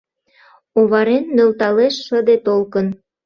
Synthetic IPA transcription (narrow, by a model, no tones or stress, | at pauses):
oβɑɾenmølt̪ɑleʃːəd̪et̪olkən